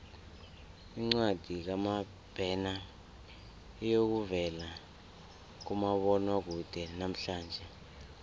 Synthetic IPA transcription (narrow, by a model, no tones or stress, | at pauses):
iŋ͡ǀwad̥ʱik̬ama | b̥ʱɛna | ijok̬uvɛla | k̬umaɓɔnak̬ud̥ʱɛnam̩ɬaːnd͡ʒʱɛ